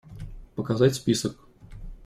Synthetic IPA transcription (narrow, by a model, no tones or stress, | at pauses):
pəkazatʲsʲpʲisək̚